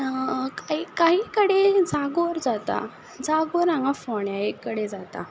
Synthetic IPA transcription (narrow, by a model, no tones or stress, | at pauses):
kaɦikaɦiːkəɽed͡zaɡoɾd͡zat̪a̰ | d͡zaɡoɾãŋafɔɳjaekːəɽed͡zat̪a̰